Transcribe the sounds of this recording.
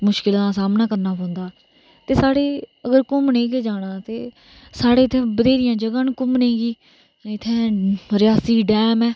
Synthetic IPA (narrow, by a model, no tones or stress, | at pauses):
mʊʃkɪld̪ãːsaːmnaːkəɾnaːɦõːnd̪aː | t̪eːsaːɽeːəɡəɾkʊmneːkeːd͡ʒaːɽ̃ãːt̪eː | saːɽeːt̪ʰẽːbəd̪eːɾɪjãːd͡ʒəɡãːnkʊmnẽːɡiː | ɪt̪ʰːẽːɾɪjaːsiːɖɛːmɛː